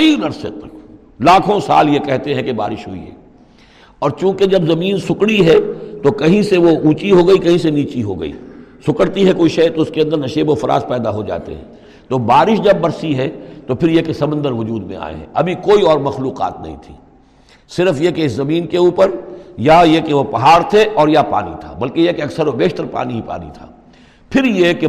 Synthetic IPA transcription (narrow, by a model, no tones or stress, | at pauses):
ɐinɐɾsjə̰t̪̚ɐ | laːkʰõsa̰ːljekɛɦt̪eɦɛ̃keba̰ːɾɪʃɦo̰ːḭɦɛ̰ː | ɔːɾt͡ʃũːked͡ʒɐbzɐmiːnsʊkɽiɦɛt̪okɐɦĩseʋoʔũːt͡ʃiɦoɡɐikɐɦĩseniːt͡ʃiɦo̰ɡɐ̰ḭːsʊkəɽt̪iɦɛkoːiʃɐːt̪oʊskeɐ̃nd̪əɾnɐʃeːbofɐɾa̰ːzpɛːd̪aɦod͡ʒa̰ːt̪ḛɦɛ̰̃ː | t̪oːbaːɾɪʃd͡ʒɐbːɐɾsiɦɛt̪opʰɪɾjekesɐbə̃nd̪əɾʋʊd͡ʒuːd̪mḛ̃a̰ːḛɦɛ̰̃ʔɐbʱikoːiɔːɾmɐxluːqa̰ːt̪̚nɐ̰ɦḭ̃t̪ʰi̥̰ː | sɪɾfjekeɪszɐmiːnkeuːpəɾjajekeʋopɐɦaːɾt̪ʰeʔɔːɾjapa̰ːnḭt̪ʰa̰ːbɐlkejekeɐksəɾobeːʃt̪əɾpa̰ːniɦipa̰ːnḭt̪ʰaː | pʰɪɾjeke